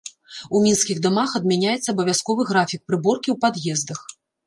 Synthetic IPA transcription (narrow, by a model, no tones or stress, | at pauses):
umʲinskʲiɣd̪ɔmaxɐd̪̚mʲanʲajɛt̪sːɐːbɐvʲaskɔvɨɣɾafʲik̚pɾɨbɔrkʲiwpad̪jɛzd̪ɐx